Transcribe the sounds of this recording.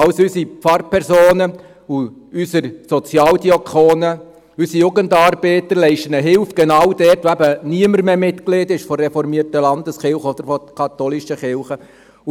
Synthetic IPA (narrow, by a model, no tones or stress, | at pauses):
ɑwsysipfɑɾpʰɛɾsoːnə | uysəɾsɔt͡sjɑːldiɔkʰχoːnə | ysijuɡəndɑːɾb̥ɛːt̪əɾlɛɪʃtənəɦɪlfɡ̥ɛnɑwd̥ɛrtʋoæbəniəməɾmemɪt̪klɪdɪʃfɔrːɛfɔɾmiərtəlɑnd̪əsχɪlχəɔd̪əɾfɔkʰɑt̪ɔlɪʃəχɪlχə